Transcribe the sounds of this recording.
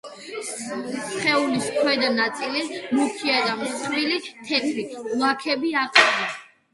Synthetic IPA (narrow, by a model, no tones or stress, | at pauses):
sχɛuliskʰwɛd̪anat̪sʼilimukʰiad̪amsχɾilit̪ʰɛt̪ʰɾilˠakʰɛbiaqʼanɛ